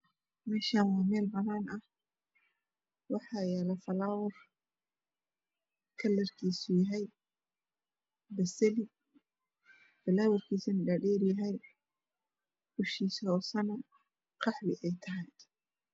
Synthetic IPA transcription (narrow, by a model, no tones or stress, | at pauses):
mɛːʃaːnwaːmɛːlbɐnaːnɐh | wɑħɑjɛlɐfɐlaːwɐr | kʰɐlːɐrkʰiːsʊjɐɦɛj | bɐsɛli | fɐlaːwɐrkʰiːsɐnɖaːɖɛːɾjɐɦɛj | ʊʃiːsɔːsɐnɐ | qɑħbɪʔɛjt̪ʰɐɦɛj